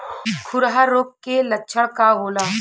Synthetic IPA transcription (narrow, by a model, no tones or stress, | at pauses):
kʰʊɾɦaɾoːk̚kːelətːʃʰəɽkaɦoːlaː